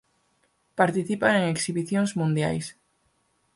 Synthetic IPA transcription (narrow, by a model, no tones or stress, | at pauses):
paɾt̪iθipaeŋeksiβiθjõŋzmũnd̪ja̰js